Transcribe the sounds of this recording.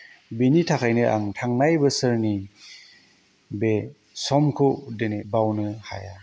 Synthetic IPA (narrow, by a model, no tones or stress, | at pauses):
binitʰakʰajnɯʔaŋtʰaŋnajbɯsɯɾni | be | sɔmkʰudɯnebawnɯha̰ja